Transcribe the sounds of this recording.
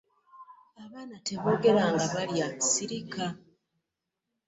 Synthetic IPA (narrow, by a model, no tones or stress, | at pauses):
aβaːnate̞βo̞ːɡe̞ɾaːŋɡaβaljaːci̥siɾika